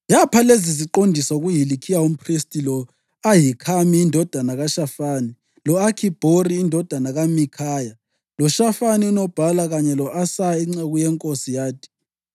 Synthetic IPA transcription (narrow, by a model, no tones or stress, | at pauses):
japʰaleziziǃondʱisauɣujilikʰijaum̩pʰristʼilɔ | ajikʰamiːndʱɔd̥ʱanaɣaʃafani | lɔakʰib̥ʱoriːndʱɔd̥ʱanaɣamikʰaːja | lɔʃafaniunɔb̥ʱalaɣaɲɛlɔʔasaiŋ͡ǀeɣujɛŋkʼosijaːtʰi̥